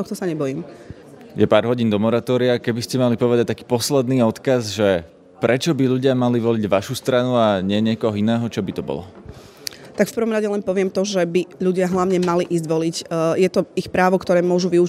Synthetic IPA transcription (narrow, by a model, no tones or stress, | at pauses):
ɔxt̪ɔsaɲɛbɔjiːm | jɛpaːɾɦɔɟind̪ɔmɔɾat̪ɔːɾiakɛbiscɛmalipɔʋɛd̪ac̚t̪akiːpɔslɛd̪niːɔt̪kazʒɛ | pɾɛt͡ʃɔbiʎuɟɪamaliʋɔliɟʋaʃust̪ɾanuaɲɪɛɲɪɛkɔɦɔinɛːɦɔt͡ʃɔbit̪ɔbɔ̰lɔ̰ | t̪akfpɾ̩ʋɔmɾaɟɛlɛnpɔʋɪɛmt̪ɔʒɛbiʎuɟɪaɦlaʊɲɛmaliʔiːzɟʋɔlicjɛt̪ɔixpɾaːʋɔkt̪ɔɾɛːmʊɔʒuʋiu